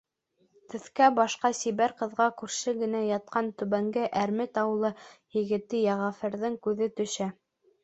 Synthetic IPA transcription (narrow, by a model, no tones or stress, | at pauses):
t̪ɘ̆θkæbɑʃqɑsiβæɾqɤ̆ðʁɑkʉɾʃɘɡɘ̆næjɑt̪̚qɑnt̪ɵ̆βæŋɡɘʔæɾmɘt̪ɑwɤ̆lˠɤjɘ̆ɡɘ̆t̪ːɘjæʁɑfɘ̆ɾðɘŋkʉðɘt̪ɵ̆ʃæ